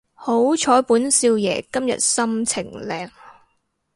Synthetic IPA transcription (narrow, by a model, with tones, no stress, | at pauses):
ho˨˥wt͡ʃʰɔː˨˥jpuː˨˥nsiː˧wjɛ̰ː˨˩kɐ˥mjɐ̰˨t̚sɐ˥mt͡sʰɪ˨˩ŋlɛː˨˩ŋ